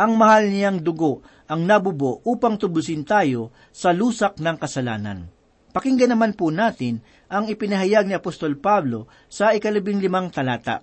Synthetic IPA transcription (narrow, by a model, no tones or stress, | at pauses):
ʔɐŋmɐhalnɪjaŋd̪ʊɡo̞ʔ | ʔɐŋnɐbʊbo̞ʔʔuːpɐŋt̪ʊbʊlsɪnt̪aːjo̞ | sɐluːsɐk̚nɐŋkɐsɐla̰ːnɐ̰n | pɐkɪŋɡɐnɐmanpunaːt̪ɪn | ʔɐŋɪpɪnɐɦɐjaɡ̚nɪɐpost̪o̞lpablo̞ | sɐɪkɐlɐbɪŋlɪmaŋt̪ɐlaːt̪a̰ʔ